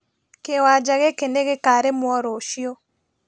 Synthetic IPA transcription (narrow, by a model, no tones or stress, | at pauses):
kewad͡ʒaɣekeneɣekaɾemwɔɾoʃiɔ